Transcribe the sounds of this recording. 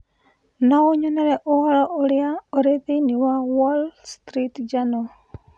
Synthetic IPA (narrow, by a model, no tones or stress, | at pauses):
naoɲɔnɛɾɛʔoɔɾɔʔoɾɪaoɾeðiniwawɔlstɾitd͡ʒanɔ